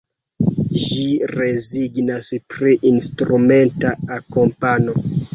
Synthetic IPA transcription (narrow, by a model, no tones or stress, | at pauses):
ʒiɾe̞ziɡnaspɾiʔinstɾume̞ntaakompano̞